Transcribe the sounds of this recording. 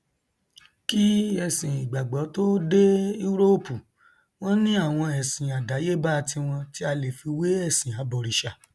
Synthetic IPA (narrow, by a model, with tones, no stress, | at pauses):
ki˦ɛ˦˨sĩ˨i˨ɡ͡ba˨ɡ͡bɔ˨˦to˦de˦i˦ɾo˦pu˨ | w̃ɔ̃˦nĩ˦a˦˨w̃ɔ̃˧ɛ˨sĩ˨a˨da˨˦je˦ba˦˧tʰĩ˧w̃ɔ̃˧ti˦a˧le˨fi˧we˨˦ɛ˦˨sĩ˨a˨bɔ˨ɾi˨ʃa˨